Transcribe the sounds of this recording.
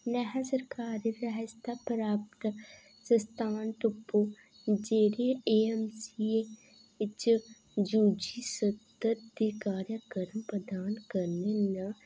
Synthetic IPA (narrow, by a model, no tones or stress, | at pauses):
nɛɦasəɾkaːɾiɾəɦəst̪apəɾaːpt̪ | sə̃st̪aːnt̪upːo | d͡ʒeːɾeeemsie | ɪt͡ʃ | d͡ʒuːd͡ʒisət̪əɾd̪ikaːɾjəkəɾəmpɾəd̪aːnkəɾnenə